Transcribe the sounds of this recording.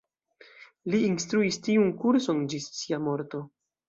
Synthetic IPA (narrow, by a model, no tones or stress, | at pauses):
liinstɾuistiunkuɾso̞nd͡ʒisːiamo̞ɾto̞